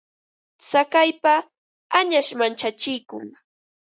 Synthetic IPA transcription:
sakajpa | aɲaʃmant͡ʃat͡ʃɪjkʊ̰ŋ

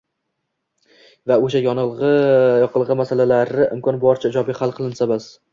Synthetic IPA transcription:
vaoʃ̬ajɒnɨlˠʁɨjɒqʰɨlˠʁɨmasalalaɾɪʔɪ̰mkʰɒnbɒɾt͡ʃʰaɪd͡ʒɒbiχalˠqʰɨlˠɪnsamas

